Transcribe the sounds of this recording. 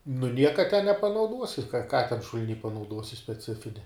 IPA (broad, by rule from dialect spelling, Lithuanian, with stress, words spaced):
nʊ ˈnʲiɛkɐ tʲɛ nʲɛpɐnɐʊˈduɔsʲɪ kɐ kɐ tʲɛn ʃʊlʲˈnʲiː pɐnɐʊˈduɔsʲɪ sʲpʲɛˈt͡sʲɪfʲɪnʲɛ